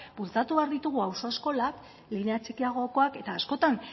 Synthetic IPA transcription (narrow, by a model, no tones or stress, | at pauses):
bult͡sat̪uβeaɾðit̪uɣ̞uawso̞esko̞lak | lineat͡sekiaɣ̞o̞ko̞ake̞t̪aːsko̞t̪an